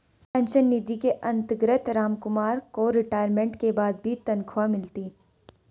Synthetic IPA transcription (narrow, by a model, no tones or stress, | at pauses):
pɛ̃ːnʃənːiːd̪ikeʔɐ̃nt̪ɡɾət̪ɾaːmkʊmaːɾkoɾɪʈaːɪjəɾmẽːɳʈkebaːd̪̚bʱit̪ɐnkʰʋamɪlt̪iː